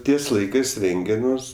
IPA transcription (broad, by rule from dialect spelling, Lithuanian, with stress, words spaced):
ˈtʲiɛs ˈlˠɐɪkɜs ˈrʲɛŋʲɡʲɛ ˈmʊs